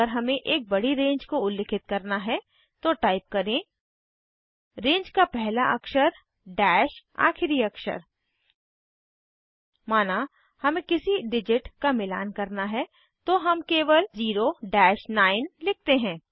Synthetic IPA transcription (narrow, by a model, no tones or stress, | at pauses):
əɾɦɐmẽʔeːk̚bɐɽiɾẽːɲd͡ʒkoʊlːɪkʰɪt̪̚kɐɾnaɦɛ | t̪oʈaːɪp̚kɐɾẽ | ɾẽːɲd͡ʒkapɛɦlaʔɐkʃəɾ | ɖɛːʃa̰ːxɪɾiɐkʃə̰ɾ | maːna | hɐmẽkɪsiɖɪd͡ʒɪʈkamɪla̰ːnkɐɾnaɦɛ | t̪oɦɐmkeːʋəlziːɾoɖɛːʃnaːɪnlɪk̚ʰt̪eɦɛ̃ː